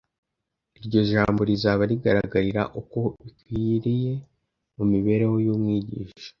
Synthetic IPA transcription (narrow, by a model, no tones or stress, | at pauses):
iɾɟo̞ʒaːmbo̞ɾizaβaɾiɡaɾaɡaɾiɾa̰ʔuko̞βikwiɾije̞ | mumiβe̞ɾe̞wo̞jumŋiːɟḭːʃḁ